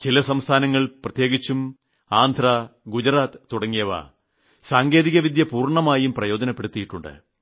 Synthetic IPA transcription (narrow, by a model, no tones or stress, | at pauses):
t͡ɕilɐsɐmst̪ʰaːnɐŋːɐɭprɐt̪je̞ːɡit͡ɕːum | aːnd̪ʱraɡud͡ʑɐɾaːt̪ːuɽɐŋːijɐʋa̰ː | saːŋɡe̞ːðiɣɐʋid̪jɐpuːrɳɐmaːjumprɐjo̞ːd͡ʑɐnɐpːe̞ɽut̪ːijiʈːuɳɖɨ̰